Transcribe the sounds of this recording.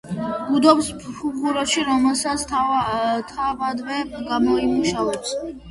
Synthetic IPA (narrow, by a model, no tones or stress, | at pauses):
ɡud̪ɔbsppʰuʁuɾɔʃiɾɔmɛlˠsat̪sʰ | t̪ʰavad̪vɛbɡamɔimuʃavɛps